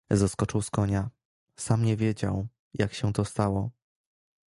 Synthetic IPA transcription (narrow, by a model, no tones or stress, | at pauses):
zaskɔt͡ʂɘwskɔɲa | samɲɛvʲjed͡ʑaw | jakɕɛt̪ɔst̪awɔ